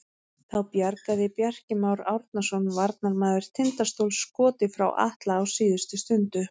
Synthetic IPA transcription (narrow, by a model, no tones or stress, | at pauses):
θawpjaɾkaðɪpjar̥cɪmawɾawɾt̪nasɔnvaɾt̪naɾmaːðɪɾ̥t̪ʰɪnt̪ast̪owlskɔːt̪ɪfɾa̰wʔa̰ht̪laːwsiːðʏst̪ʏst̪ʏnt̪ʏ